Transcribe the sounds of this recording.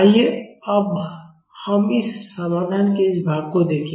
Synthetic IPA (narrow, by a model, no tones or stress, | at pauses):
aijeəb | həmɪsːəmaːd̪ʱankeɪsbʱaːɡ̚kod̪ekʰe